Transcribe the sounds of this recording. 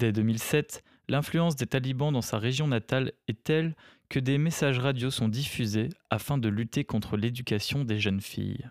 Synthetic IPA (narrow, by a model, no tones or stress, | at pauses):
d̪ɛd̪əmilsɛt̪ | lɛ̃flyɑ̃s̬d̪et̪alibɑ̃d̪ɑ̃saʁeʒjɔ̃nat̪alɛt̪ɛlkəd̪emesaʒʁad̪josɔ̃d̪ifyzeafɛ̃d̪əlyt̪ekɔ̃t̪χəled̪ykʲasjɔ̃d̪eʒənfḭj